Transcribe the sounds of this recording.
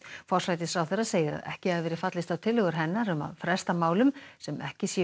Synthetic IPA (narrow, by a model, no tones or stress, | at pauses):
fɔr̥sɾajt̪̬ɪsɾawθeɾaseːjɪɾa̰ðɛ̰hcɪhaðɪvɛːɾɪfat̪lɪst̪awt̪ʰɪlhʏɣʏɾ̥ɦɛnːaɾʏma̰ðfɾɛst̪amaːwlʏmsɛmɛhcɪsjɛ